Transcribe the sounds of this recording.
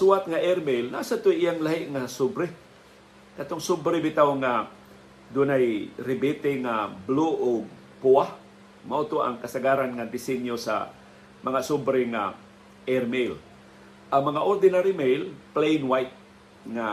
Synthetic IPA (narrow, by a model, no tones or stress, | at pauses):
suat̪̚ŋaʔɛɾmejlna̰sat̪ʊjʔɪjaŋlaɦɪʔŋasʊbɾɪ | kɐt̪oŋsʊbɾɪbɪt̪awŋa | d̪unajɾɪbɪt̪ɪŋabluʔʊɡ̚ | puah | maʔut̪oʔa̰ŋkɐsaɡaɾanŋad̪ɪsɛnjosa̰ | mɐŋasʊbɾɪŋa̰ | ɛɾmel | ʔaŋmɐŋaʔoɾd̪ɪnaɾɪmejlplejnwajt̪̚ | ŋa